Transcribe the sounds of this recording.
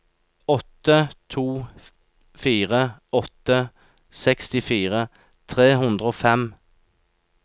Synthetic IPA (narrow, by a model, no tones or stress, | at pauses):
ɔt̪ət̪ʰuː | fiːʁəɔt̪ə | sɛkst̪ɪfiːʁə | t̪ʰʁeːɦʉnd̪ʁəoːfɛm